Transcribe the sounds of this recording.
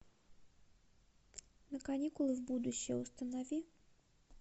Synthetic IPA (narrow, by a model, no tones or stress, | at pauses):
nəkɐnʲikʊlˠɨvbud̪ʊɕːɪjəʊst̪ənɐvʲi